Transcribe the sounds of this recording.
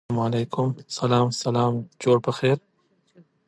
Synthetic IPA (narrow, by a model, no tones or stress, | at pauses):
mɐleːkʊmsɐlaːmsɐlaːmt͡ʃoːɽpɐxeːɾ